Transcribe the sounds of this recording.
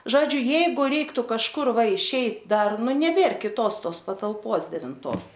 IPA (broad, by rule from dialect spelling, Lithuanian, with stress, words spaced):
ˈʒoːd͡ʒʲʊ ˈjɛɪɡʊ ˈrʲɛɪktʊ kɐʃˈkʊr ˈʋɐ ɪʃʲˈɛɪt ˈdɐr ˈnʊ nʲɛˈbʲeːr kʲɪˈtoːs ˈtoːs pɐtɐlˠˈpoːs dʲɛʋʲɪnˈtoːs